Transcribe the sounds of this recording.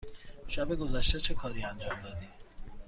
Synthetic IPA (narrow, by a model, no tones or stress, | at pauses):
ʃæbeɡozæʃt̪et͡ʃʰekʰɒːɾiːænd͡ʒɒːmd̪ɒːd̪i